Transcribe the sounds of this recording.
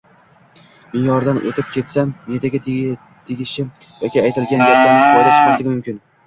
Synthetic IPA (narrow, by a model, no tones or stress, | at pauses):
mɪnjɒɾd̪anʔo̰t̪ʰɪp̚kʲʰe̞t̪samːet̪aɡʲa | t̪ʰɪɡʲɪʃɪ | jɒkʲɪajt̪ʰɪlɡʲand͡ʒaɾlʲanɪqʰɒjlaʃmaslɪɡʲɪmʊmkʲɪn